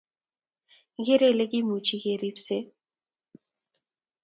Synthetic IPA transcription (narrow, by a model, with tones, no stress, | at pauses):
ɣe˦ɾe˦˨le˦ki˦mu˨t͡ʃʰi˦ɣe˨ɾi˦pse˦